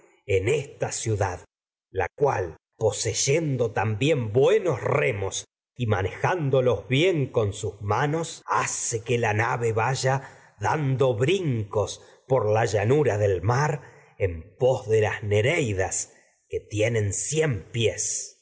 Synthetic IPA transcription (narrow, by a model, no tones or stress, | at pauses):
enest̪asjuðað | la̰kwal | po̞seʒend̪ot̪ambje̞mbweno̞sremos | imane̞xand̪olo̞zβje̞ŋko̞nsusmano̞sasekelanaβe̞βaʒa | ðand̪o̞βɾiŋko̞s | poɾlaʒanuɾaðelmaɾ | empo̞zðelasneɾejðas | ke̞t̪jenẽ̞nsjempjes